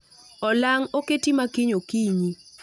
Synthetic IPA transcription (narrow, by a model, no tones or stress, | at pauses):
ɔlaŋoketimakiɲokiɲi